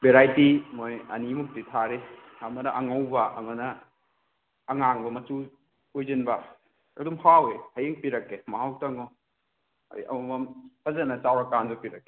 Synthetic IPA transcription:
beɾajtimojɐ̰nimuk̚titʰaɾehʰamɐdɐʔɐŋawbɐɐŋɔnɐ | ŋaŋbɐmɐtu | ojzinbɐ | ɐ̰dumhawehɐjeŋpiɾɐkːemɐɦawtaŋɔ | ɐ̰ɾḭʔɐ̰mɐmɐmpʰɐzɐnɐt͡ʃawɾakandupiɾɐkːe̥

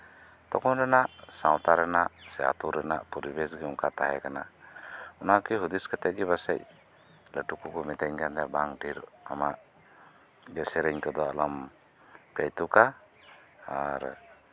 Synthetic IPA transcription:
t̪ɔkɔnɾɛnaʔsawt̪aɾɛnaʔsɛa̰t̪uɾɛnaʔpɔɾibɛsɡiuŋkat̪aɦɛkana | unaʔkiɦud̪iskət̪ɛʔɡɛbasɛ̰c̚ | ləʈukukɔmɛt̪ɛɲɡand̪ɛbaŋdiɾa̰maʔ | ɡɛsɛɾɛɲkɔd̪ɔalɔm | pɛjt̪uka | aɾ

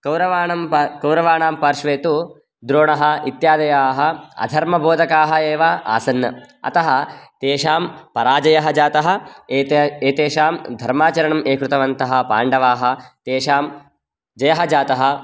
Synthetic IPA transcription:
kɐwɾɐʋaːɳɐmkɐwɾɐʋaːɳaːmpɐɾʃʋeːt̪u | d̪ɾoːɳɐɦɐ̆it̪jaːd̪ɐjaːɦɐ̆ɐ̰d̪ʱɐɾmɐbʱoːd̪ʱɐkaːɦɐeːʋaa̰ːsɐnjɐ̰ | ɐ̰t̪ɐɦɐt̪eːʃaːmpɐɾaːd͡ʒɐjɐɦɐd͡ʒaːt̪ɐɦɐ̆ | eːt̪eːʃaːmd̪ʱɐɾmaːt͡ʃɐɾɐɳɐmeːkɾut̪ɐʋɐnt̪ɐɦɐ̆pa̰ːɳɖɐʋaːɦɐ̆t̪eːʂaːm | d͡ʒɐjɐɦɐd͡ʒaːt̪ɐɦɐ̆

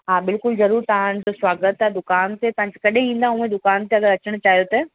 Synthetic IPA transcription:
ɦaːbɪlkʊlzɐɾuːɾt̪ɐʋãd͡ʑoswaːɡət̪ɛd̪ʊkaːnt̪ʰepɐ̃ɦɪ̃ɲd͡ʑkɐɗɦẽĩːn̆d̪aũːẽd̪ʊkaːnt̪eɐɡəɾɐt͡ɕəɽ̃t͡ɕaːɦijot̪ɐ

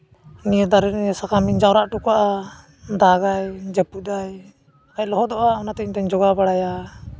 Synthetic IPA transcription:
nijɛd̪aɾɛɾniɛsakamiɲd͡ʒawɾaʔʈukaʔa | d̪aɡajd͡ʒəpud̪aj | kajlɔɦɔd̪ɔʔaɔnat̪ɛɲt̪aɲd͡ʒɔɡabaɽaja

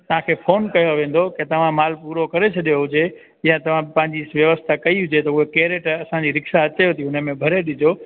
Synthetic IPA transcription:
t̪ɐʋ̤ãkʰeːfoːnkɐjoʋẽːn̆d̪oket̪ɐʋ̤ãmaːlpuːɾokɐɾet͡ɕʰɐɗijoɦʊd͡ʑe | jãt̪ɐʋ̤ãpɐ̃ɦɪ̃ɲd͡ʑisʋjɐʋəst̪ʰakɐiɦʊd͡ʑet̪ɐʊɦekeːɾeːʈɐsãd͡ʑiɾɪkʃaɐt͡ɕɐjot̪ʰiʊnəmẽbʱɐɾeɗɪd͡ʑoː

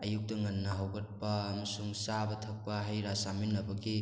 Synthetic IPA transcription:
ɐjuk̚tɐŋɐnːɐɦawɡɐt̚pɐːmɐsuŋsabɐtʰɐk̚pɐɦajɾasaminɐbɐɡi

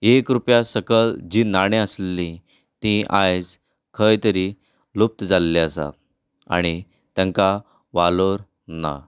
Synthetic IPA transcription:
ekɾupjasəkəld͡ʑiːnaɽ̃eəslli | t̪ĩʔajd͡z | kʰəjt̪əɾi | lup̚t̪d͡zalːeəsa̰ | a̰ɽ̃i | t̪ãŋka | ʋaloɾ | na̰

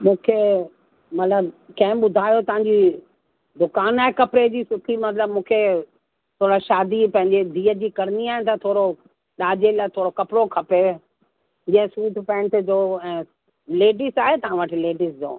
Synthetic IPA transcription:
mũːkʰe | mɐt̪ləbkɐ̃ɦɪ̃ɓʊd̪ʱaːjot̪ɐʋãɲd͡ʑi | d̪ʊkaːnaːɦekɐpɾed͡ʑiːsʊʈʰimɐt̪̬ləbmũːkʰe | t̪ʰoːɾaʃaːd̪ipɐ̃ɦɪ̃ɲd͡ʑed̪ʱiːəd͡ʑiːkɐɾəniaːɦɪnɪ̆t̪ɐt̪ʰoːɾo | ɗaːd͡ʑelaːt̪ʰoːɾokɐpɽokʰɐpe | d͡ʑɐ̃ɦɪ̃suːʈʰpɛ̃ːɳʈd͡ʑoːɛ̃ː | leːɖisaːɦet̪ɐɦãʋəʈʰɪleːɖɪsd͡ʑo̰ː

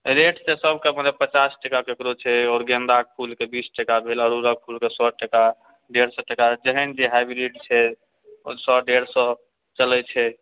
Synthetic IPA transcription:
ɾeʈʰsesəbʱkepənd̪epət͡ʃasʈekakekɾot͡ʃʰɛɔːɾɡẽnd̪ak̚pʰulkebisʈekabʱelɔɾuɾək̚pʰulkesɔʈeka | ɖeɾsɔʈekad͡ʒəɦənd͡ʒeɦajbɾiɖt͡ʃʰɛ | sɔɖeɾsɔ | t͡ʃəlɛt͡ʃʰɛ

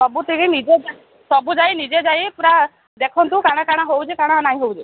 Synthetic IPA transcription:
ɔbut̪ʰikinid͡ʒed͡ʒ | sɔbud͡ʒajnid͡ʒed͡ʒajpuɾa | d̪ekʰɔnt̪ukaɽ̃akaɽ̃aɦowd͡ʒekaɽ̃anaɦĩɦowd͡ʒe

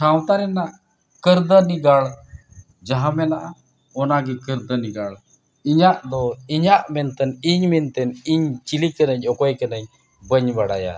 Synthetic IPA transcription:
sawt̪aɾɛnaʔ | kəɾd̪əniɡaɭ | d͡ʒaɦãmɛnaʔa | ɔnaɡikəɾd̪əniɡaɭ | iɲaʔd̪ɔiɲaʔmɛnt̪ɛniɲmɛnt̪ɛniɲt͡ʃilikənaɲɔkɔjkənaɲ | bəɲbaɽaja̰

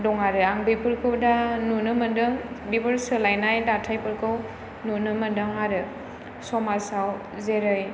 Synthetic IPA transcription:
dɔŋaɾɯaŋbipʰɯɾkʰɯwdanunɯmɯndɯŋbipɯɾsɯlajnajdatʰajpɯɾkʰɯw | nunɯmɯndɯŋaɾɯ | sɔmasaw | zeɾɯj

